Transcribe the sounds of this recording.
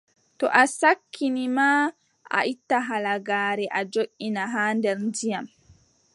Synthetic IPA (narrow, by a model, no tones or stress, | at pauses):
tɔ̰ʔasakʰːinima | a̰ʔitːaɦalaɡaːɾɛʔad͡ʒoʔinaɦaːndɛɾndijam